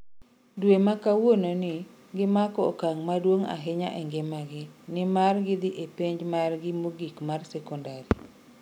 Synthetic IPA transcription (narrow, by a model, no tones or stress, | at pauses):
dwemakawononɪ | ɡɪmakɔkaŋmadwoŋa̰ɦɪɲa̰ʔɛŋɡemaɡɪnɪmarɡɪd̪ɪʔepeɲd͡ʒmarɡɪmoɡikmarsɛkɔndaɾi